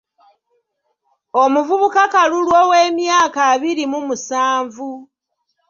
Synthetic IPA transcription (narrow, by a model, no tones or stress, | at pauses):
o̞muvuβukakalulwoweːmjaːkaβiɾimumusaːɱvu